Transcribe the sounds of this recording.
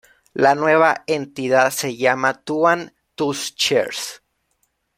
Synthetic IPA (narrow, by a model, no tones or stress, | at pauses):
lanwe̞β̞aent̪iðaðse̞ʝamat̪uan | t̪ust͡ʃḛɾs